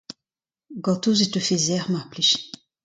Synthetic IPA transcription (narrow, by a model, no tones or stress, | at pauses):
ɡɔt̪uzit̪øfezɛʁmapliʃ